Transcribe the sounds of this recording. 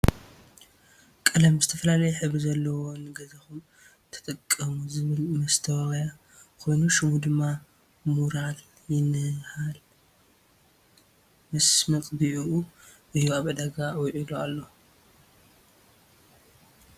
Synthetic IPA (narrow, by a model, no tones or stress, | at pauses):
kʼɨlɐmzɨt̪ʰɐfɐlalɐjɛħɨβizɐlːɐwonɨɡɐzɐxum | t̪ʰɐ̥t̪ʼɐkʼːɐmuzɨβɨlmɐst̪ʰɐwwja | kʰo̞jnuʃɪmud̪ɨmːa | muɾal | jɪnɨhal | mɐsmɐk̪ʼbɨʔuʔuʔɨjːuaβʔɨd̪ɐɡawɔʕilualːo